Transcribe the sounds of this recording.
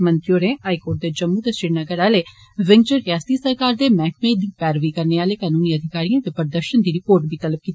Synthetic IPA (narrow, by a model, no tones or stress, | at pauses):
mə̃nt̪ɾijoːɾẽːaːikoːɾʈ̚d̪eːd͡ʒəmːuːt̪əsɪɾnəɡəɾaːleː | ʋɪ̃ŋɡt͡ʃəɾjaːst̪iːsəɾkaːɾd̪eːmɛ̃ːk̚ʰmeːd̪iːpɛːɾʋiːkəɾneːaːleːkaːnuːniːəd̪ʱɪkaːɾijãːt̪eːpəɾd̪əɾʃənd̪iːɾɪpoːɾʈbʱiːt̪ələb̚kiːt̪ː